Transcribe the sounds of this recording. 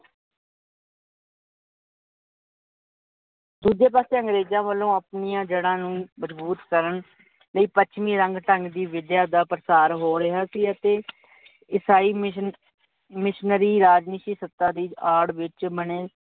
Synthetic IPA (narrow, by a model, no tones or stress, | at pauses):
d̪uːd͡ʒeːpaːseːəŋɡɾeːd͡ʒãːʋəlːõːəpnijãːd͡ʒəɽãːnũːməd͡ʒbuːt̪kəɾən | ləiːpət͡ʃʰmĩːɾəŋɡʈəŋɡd̪iːʋɪd̪jaːd̪aːpɾəsaːɾɦoːɾɪɦaːsiːət̪eː | ɪsaːiː | mɪʃnəɾiːɾaːd͡ʒniʃiːsət̪ːãːd̪iːaːɽʋɪt͡ʃməneː